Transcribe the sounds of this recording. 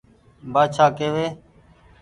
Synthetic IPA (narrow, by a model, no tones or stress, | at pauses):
baːt͡ʃʰaːkeːʋeː